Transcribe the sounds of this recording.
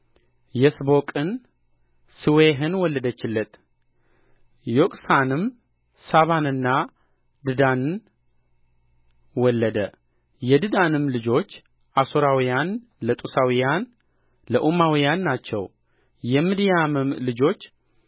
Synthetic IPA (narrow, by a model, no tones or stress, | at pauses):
jɛsbo̞kʼɨn | sɨweɦɨnwɔlːəd̪ət͡ʃːɪlːət̪ʼ | jokʼsanɨm | saβanɨnːa | d̪ɨd̪anɨn | wɔlːəd̪ə | jɛd̪ɨd̪anɨmlɨd͡ʒo̞t͡ʃː | ʔasoɾawijan | lət̪ʼusawijan | ləʔumawijanːat͡ʃːɛ̰w | jɛmɨd̪ijamɨmlɨd͡ʒo̞t͡ʃː